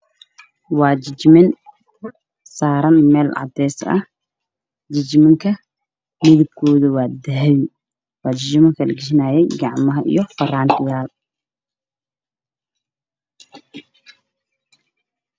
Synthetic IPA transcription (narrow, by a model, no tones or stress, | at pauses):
wɑːt͡ʃɪt͡ʃmɪn | saːɾɐnmɛːlʕɑ̰d̪ɛːsɐ̰h | d͡ʒɪt͡ʃmɪŋkʰɐ | mɪðɪb̚kʰɔːðʊwɑːd̪ɐɦwɪ | wɑːd͡ʒɪt͡ʃɪmɐŋkʰɐlɡɪʃɪnaːjɛjɡɑʕmɐɦɐʔḭjɔfɐraːnt̪ʰɪjaːl